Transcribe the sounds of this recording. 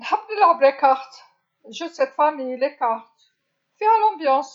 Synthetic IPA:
lħabləlaʁblekaʁt̪ | ʒəd̪sɛt̪famijlekaʁt̪ | fiʁælɑ̃bjɑ̃s

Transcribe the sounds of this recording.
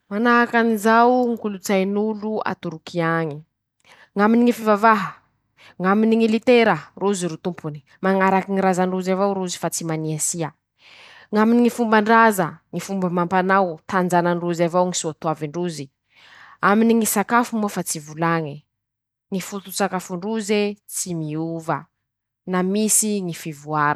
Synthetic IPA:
manaɦakanizawŋikulut͡sajnulua̰t̪uɾukʰiaŋi | ŋaminiŋifivavaɦə | ŋaminiŋilit̪eɾəruziɾut̪umpʰuni̥ | maŋaɾakiŋiɾazaɳɖ͡ʐuzavawɾuzi̥fat͡simaniasiə | ŋaminiŋifumbaɳɖ͡ʐazəŋifumbəmampanawt̪and͡zanaɳruzavawŋisuat̪uaviɳɖ͡ʐuzi | aminiŋisakafumuafat͡sivulaŋi | ŋifut̪usakafuɳɖ͡ʐuzet͡simiuvə | namisiŋifivuaɾə

